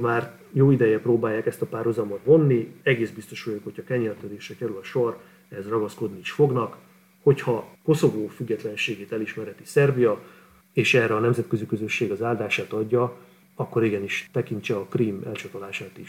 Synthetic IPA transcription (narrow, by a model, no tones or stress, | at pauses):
maːr | joːid̪ɛjɛproːbaːjːaːkɛst̪ɒpaːrhuzɒmot̪vo̞nːiɛɡeːzbist̪oʃujokho̞cʰhɒkɛɲɛrt̪ød̪eːʃrɛkɛɾylɒʃo̞r | ɛɦɛzrɒɡɒsko̞d̪niiʃfo̞ɡnɒk | ho̞chɒko̞so̞voːfyɡːɛt̪lɛnʃeːɡeːt̪ɛliʃmɛɾɛt̪isɛrbijɒ | eːʃɛrɛɒnɛmzɛt̪̚kø̞zikø̞zø̞ʃːeːɡɒzaːld̪aːʃaːt̪ɒɟːɒ | ɒkːo̞ɾiɡɛniʃt̪ɛkint͡ʃɛɒkriːmɛ̰lt͡ʃɒt̪olaːʃaːt̪iʃ